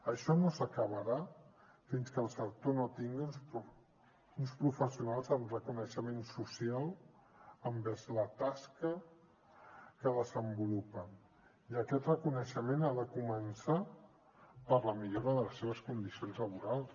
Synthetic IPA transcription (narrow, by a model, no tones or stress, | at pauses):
əʃɔnosəkəβ̞əɾa | finskəlˠsək̚t̪onot̪iŋɡiunpu | unspɾufəsiunalˠzəmrəkunəʃəmensusialˠ | əmbɛzlət̪askə | kəðəzəmbulupən | iəkɛt̪rəkunəʃəmenaðəkumənsa | pəɾləmiʎoɾəðələsːeβ̞əskund̪isionzləβuɾalˠs